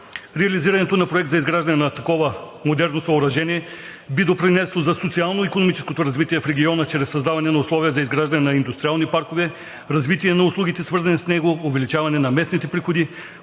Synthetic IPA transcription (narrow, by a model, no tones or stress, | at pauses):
ɾɛɐliziɾɐnɛt̪onɐpɾoɛk̚t̪zɐizɡɾaʒd̪ɐnɛnɐt̪ɐkɔvə | mod̪ɛɾnosɐoɾɐʒɛniɛ | bid̪opɾinɛslˠozɐsot̪sialˠnoikonomit͡ʃɛ̥skot̪oɾɐzvit̪iɛfɾɛɡʲiɔnət͡ʃɾɛsːɐzd̪avɐnɛnɐʊslˠɔvijəzɐizɡɾaʒd̪ɐnɛnɐind̪ʊst̪ɾialˠnipaɾkovɛ | ɾɐzvit̪iɛnɐʊslˠuɡ̟it̪ɛsvɤɾzɐnisnɛɡoːvɛlit͡ʃavɐnɛnɐmɛsnit̪ɛpɾixod̪i